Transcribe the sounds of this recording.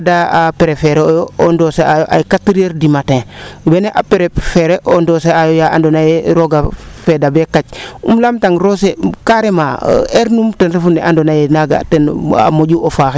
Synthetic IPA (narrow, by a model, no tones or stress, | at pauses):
daapeɾefɛɾeojoondoseajoʔa̰jkatːiɾeɾdimatẽbɛneʔapeɾefeɾeʔondoseajojaʔa̰ndonajeɾoɡafedabekacṵmlamtaŋɾosekaɾemaeɾnumtɛnɾefunɛʔandonajenaɡa̰tɛna̰moɟuʔofaːxe